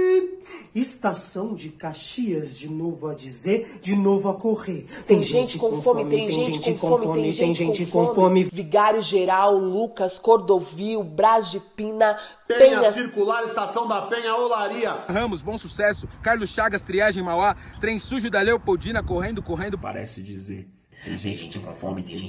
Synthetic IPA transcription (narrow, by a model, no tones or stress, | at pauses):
ist̪asɐ̃w̃d͡ʒɪkaʃiɐzd͡ʒɪnovʊɐd͡ʒizeɾ | d͡ʒɪnovʊɐkoʁeɾt̪ẽj̃ʒʒẽnt͡ʃɪkõfɔɾmɪmẽj̪̃eʒ̃ẽẽt͡ʃt͡ʃɪ̃fkõɔmɪɾẽmʒẽj̃ʒẽt͡ʃɪkõfɔɾmɪviɡaɾjʊʒeɾawlukɐskoɾd̪oviwbɾazd͡ʒɪpĩnɐ | pẽɲɐɐsiɾkulaɾist̪asɐ̃w̃d̪ɐpẽɲɐolaɾiɐhɐ̃mʊzbõw̃susɛsʊkaɾlʊsʃaɡɐst̪ɾiaʒẽj̃mawat̪ɾẽj̃suʒʊd̪ɐlewpowd͡ʒĩnɐkoɦẽnd̪ʊkoɦẽnd̪ʊpa̰ɾɛ̰sɪd͡ʒḭzḛɾ | tt̪ḛ̃j̃ʒḛ̃t͡ʃt͡ʃikõ̰fɔ̰mɪ̰